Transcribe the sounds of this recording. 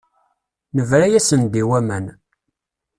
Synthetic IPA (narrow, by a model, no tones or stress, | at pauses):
nəvɾæjæsənd̪iwæmən